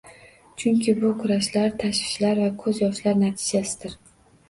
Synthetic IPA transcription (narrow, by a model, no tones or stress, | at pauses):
t͡ʃʰʊŋkʲɪbʊkʰʊɾaʃlaɾt̪ʰaʃvɪ̥ʃlaɾvakʰɵzjɒʃlaɾnat̪ʰɪd͡ʒasɪ̥d̪̥ɪɾ